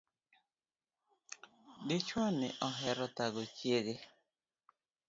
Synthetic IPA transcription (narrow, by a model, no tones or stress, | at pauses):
dɪt͡ʃwanɪ̰ʔɔɦɛɾɔt̪aɡot͡ʃjeɡe